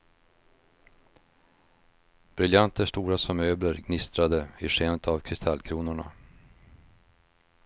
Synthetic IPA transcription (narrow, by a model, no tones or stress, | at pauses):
b̥ɾɪljant̪əʂt̪uːɾasɔmøːbləɾɡnɪst̪ɾad̪əɪʂeːnət̪ʰavkʰɾɪst̪ʰalːkʰɾuːnʊɳa̰